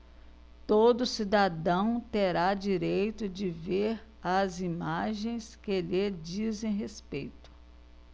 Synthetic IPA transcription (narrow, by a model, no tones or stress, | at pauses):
t̪od̪ʊsid̪ad̪ɐ̃w̃t̪eɾad͡ʒiɾejt̪ʊd͡ʒɪveɾ | ɐzimaʒẽj̃skɪeled͡ʒizẽj̃ɦespejt̪ʊ̥